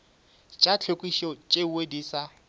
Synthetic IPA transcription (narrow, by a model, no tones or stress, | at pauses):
t͡ʃʼat͡ɬʰokʼwiʃɔt͡ʃʼewediːsa